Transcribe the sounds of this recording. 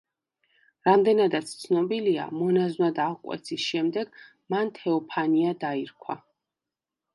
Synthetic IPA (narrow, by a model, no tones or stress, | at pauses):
ɾamd̪ɛnad̪at̪sʰt̪sʰnɔbilia̰mɔnaznad̪aqʼwɛ̰t̪sʰisʃɛmd̪ɛɡ̥ | mant̪ʰɛɔpʰaniad̪aiɾkʰwa̰